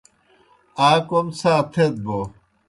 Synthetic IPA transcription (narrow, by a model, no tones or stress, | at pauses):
aːkomsaːt̪ʰet̪̚bo